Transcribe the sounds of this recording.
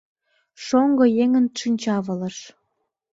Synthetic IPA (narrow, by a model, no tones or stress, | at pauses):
ʃoŋɡojeŋənʃinʲt͡ɕɑβə̆lə̆ʃ